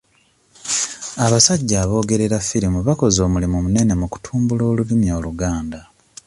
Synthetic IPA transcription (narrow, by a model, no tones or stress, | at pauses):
aβasaɟːaːβo̞ːɡe̞ɾe̞ɾafːiɾimuβako̞zo̞ːmulimumune̞ne̞muku̥tʰuːmbulo̞ːlulimjo̞ːluɡaːnda